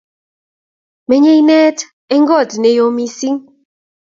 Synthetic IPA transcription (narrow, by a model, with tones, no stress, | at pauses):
me˨ɲe˦i˦nɛ˦t | e˦ŋɡɔ˦˨dne˨jo˨mi˦si˦ŋ